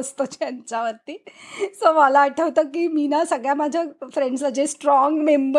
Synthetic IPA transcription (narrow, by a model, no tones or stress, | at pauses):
əst̪ot͡ɕjaɲt͡ɕaʋəɾt̪iːsəmalaːʈʰəʋt̪əkiːminasəɡɭjamad͡ʑʱafɾeɳɖslad͡ʑesʈɾɔŋɡmembə